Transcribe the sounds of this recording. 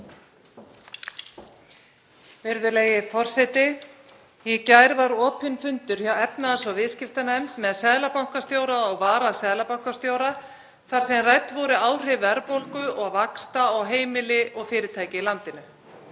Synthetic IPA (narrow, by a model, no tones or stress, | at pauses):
vɪɾðʏlejɪfɔr̥sɛt̪ɪ | jɛcajɾvaɾɔːpʰʏnfʏnt̪ʏɾ̥çawɛpnaðasvɔvɪðscɪft̪anaɛmt̪mɛðaðsɛːðlapawŋ̥kast̪joːwɾaɔɣvaːɾasɛːðlapawŋ̥kast̪joːwɾa | θaɾ̥sɛmrajt̪vɔwɾʏaːwr̥ɪvʏɛɾpowlkʏɔɣvakst̪aɔɣɦeːjmɪlɪʔɔɣfɪːɾɪt̪ʰajcɪlant̪ɪnʏ